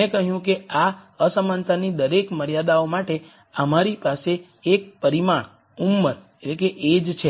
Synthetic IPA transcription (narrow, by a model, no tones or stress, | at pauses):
ekəɦjũkea | əsəmant̪ʰanid̪əɾekməɾjad̪aomaʈe | əmaɾipaseː | k̚pəɾimaɳ̃ | umːəɾ | eʈlekeʔed͡ʒt͡ʃʰe